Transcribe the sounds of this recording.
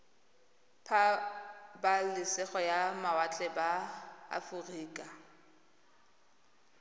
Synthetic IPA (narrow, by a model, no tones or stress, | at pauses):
pʰa | balɪsɛχɔjamawat͡ɬʼɛbaa̰fʊriːkʼa